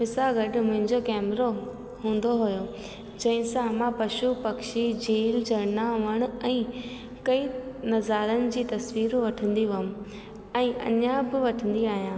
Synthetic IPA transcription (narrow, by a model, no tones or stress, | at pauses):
pɪsaɡɐɖmʊ̃ɦɪ̃ɲd͡ʑokɛːmɾo | ɦũːn̆d̪oɦʊjo | d͡ʑɐ̃ɦɪ̃sãmãːpɐʃupɐkʃid͡ʑiːld͡ʑɐɾnaʋɐɽ̃ʊ̆ɛ̃ː | kɐinɐzaːɾənɪ̆d͡ʑiːt̪ɐsʋiːɾʋɐʈʰə̃nd̪iʋɐm | ɛ̃ːʔɐ̰ɲãbɪʋɐʈʰə̃nd̪iaːɦijãː